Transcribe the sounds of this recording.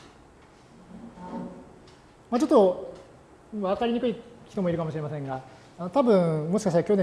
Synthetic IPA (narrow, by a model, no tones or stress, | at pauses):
mat͡ɕo̞t̪ːo̞ | βakaɾʲiɲ̟ikɯ̟içʲi̥t̪o̞moiɾɯ̟kamoɕiɾe̞masẽ̞ŋɡa | anot̪abɯ̟̃ɰmo̞ɕi̥kaɕ̬it̪aɾakʲo̞nẽ